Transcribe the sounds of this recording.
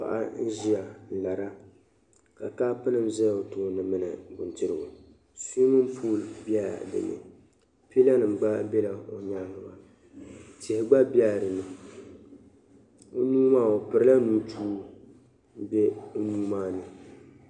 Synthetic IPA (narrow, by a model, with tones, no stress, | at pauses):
pa̰˨ʔa̰˦n̩˦ʒi˦a˨la˨ɾa˦ | ka˨kaː˦pɨ˦nɨ˨mzɛ˦˨o˨toː˦nɨ˨mɨ˦nɨ̰˨bʊ˨ntɨ˦ɾɨ˨ɡo˨ | suː˦mɨ˦m̩˦pʰuː˦˨lbja˦dɨ̰˨nɨ̰˨ | pi˦la˦nɨ˨m˨ɡ͡ba˦bɛ˦la˨o˨ɲa˦ŋɨ˨ba˨ | tɛ˨hɪ˦ɡ͡ba˦bja˦˨ɾɨ˨nɨ˨ | o˦nuː˦maː˦˨o˨pɨ˨ɾɨ˦la˦nuː˦tʰuː˦ | m̩˦be˦nuː˦maː˦˨nɨ˨